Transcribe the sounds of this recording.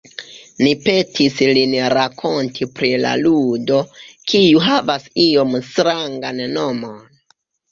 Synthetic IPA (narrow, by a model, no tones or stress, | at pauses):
nipe̞tʰislinɾakʰo̞ntʰipɾila̰ludo̞kijuɦavasiomstɾaŋɡanːomo̞n